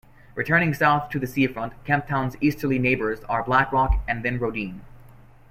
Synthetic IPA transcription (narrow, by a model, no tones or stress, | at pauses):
ɹʔɨtʰɜ̃˞ñɪ̃ŋsaʊθtʰɨðɨsifɹʌ̃ntkʰæ̃mp̚tʰãʊ̃nzistə˞lˠineɪbə˞zə˞blækɹɔkɨ̃nðɨ̃nɹoʊtĩn